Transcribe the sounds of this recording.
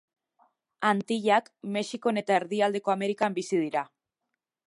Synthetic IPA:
ant̪iʎakme̞ʃiko̞ne̞t̪ae̞ɾðiald̪e̞ko̞ame̞ɾikambisið̞iɾa

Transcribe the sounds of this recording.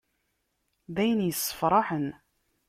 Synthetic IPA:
ðæjənjəsˤːə̥fɾˤɑħən

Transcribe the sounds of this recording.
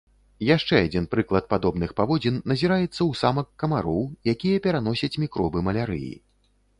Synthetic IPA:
jaʂt͡ʂɛad͡zʲinpɾɨklˠɐt̪̚pad̪ɔbnɨxpavɔd͡zʲinːɐzʲiɾajɛt̪sːɐwsamɐkːɐmaɾɔwjakʲijɐpʲɛɾan̪ɔsʲɐt͡sʲmʲikɾɔbɨmɐlʲaɾɨ̰jḭ

